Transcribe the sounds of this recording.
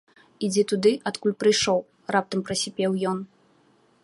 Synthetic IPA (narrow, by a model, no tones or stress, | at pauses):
id͡zʲɛt̪ud̪ɨʔɐt̪kulʲpɾɨjʂɔw | rap̚t̪ɐmpɾɐsʲɛpʲɛwjɔn